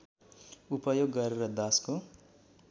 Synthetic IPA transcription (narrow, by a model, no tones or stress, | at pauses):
upʌjoɡːʌɾeɾʌd̪ʌsko